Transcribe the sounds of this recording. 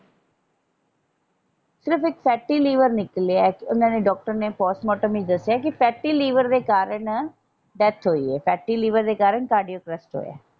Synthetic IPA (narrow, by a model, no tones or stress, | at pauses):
sɪɾəpʰɪkpʰɛːʈːiːliːʋəɾnɪklaːkɪʊnãːneːɖɔːk̚ʈəɾneːpɔːsmɔːʈəmiːd͡ʒd̪əsːjaːkɪpʰɛːʈːiːliːʋəɾd̪eːkaːɾəɳ | ɖɛːt̪ʰɦoːḭːɛːpʰɛːʈːiːliːʋəɾd̪eːkaːɾəɳkaːɾɖijoːkɾɛsʈɦo̰ːja̰ː